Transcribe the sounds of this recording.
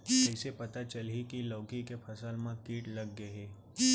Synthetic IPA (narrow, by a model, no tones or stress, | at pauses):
ɛːsepɐt̪at͡ʃəlɦikiloːkikepʰɐsəlmãkiːʈlɐɡːɐɦeː